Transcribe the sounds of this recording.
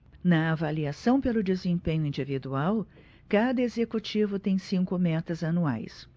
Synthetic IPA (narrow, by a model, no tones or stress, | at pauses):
nɐavaliasɐ̃w̃pelʊd͡ʒezẽpẽɲʊĩnd͡ʒivid̪uaw | kad̪ɐezekut͡ʃivʊt̪ẽj̃sĩŋkʊmɛt̪ɐzɐnua̰js